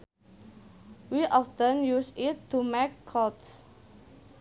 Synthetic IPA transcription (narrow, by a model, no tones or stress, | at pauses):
wiʔɔftə̃njusɪtːumɛkʰːɔts